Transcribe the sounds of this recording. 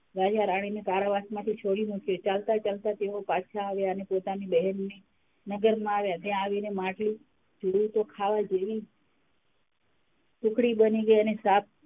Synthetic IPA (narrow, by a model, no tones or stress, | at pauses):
ʋad͡ʒaɾaɽ̃inekaɾaʋasmãt̪ʰit͡ʃʰoɽimukjot͡ʃalt̪at͡ʃalt̪at̪eʋopaʃʰaːʋjaənepot̪anibəɦɛnːe | nəɡəɾmãaʋjat̪jãaʋinemãʈli | d͡ʒuɽut̪okʰaʋad͡ʒeʋi | t̪ʊkɽibəniɡəiənesap̚ʰ